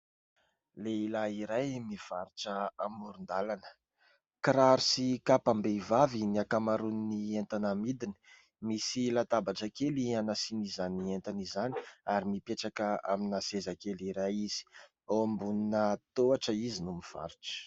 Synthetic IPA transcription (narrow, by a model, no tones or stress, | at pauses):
leilaiɾajmiv̥aɾiʈ͡ʂəamuɾund̪alanə̥ | kɾaɾusikapambevaviniakamaɾuninient̪anamid̪ini̥ | misilat̪abaʈ͡ʂakelianasinizanient̪anizani̥aɾimipeʈ͡ʂakəa̰minasezakeliɾajiz̥i̥ | ombuninət̪oaʈ͡ʂəizinumiv̥a̰ɾiʈ͡ʂə̥